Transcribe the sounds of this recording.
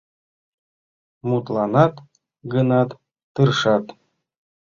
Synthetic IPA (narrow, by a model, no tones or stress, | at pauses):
mut̪lˠɑnɑt̪ | ɡɤnɑt̪ː | ɯrʂɑt̪